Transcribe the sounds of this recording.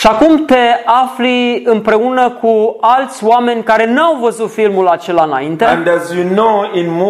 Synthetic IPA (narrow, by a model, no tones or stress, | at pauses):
ʃiakumt̪e̞afliɨmpɾe̞unəkʰualt̪sʲwame̞nʲkaɾe̞nuawvəzut̪filmulat͡ʃe̞laɨna̰int̪ẽ̞ndæzjunoɪ̃nm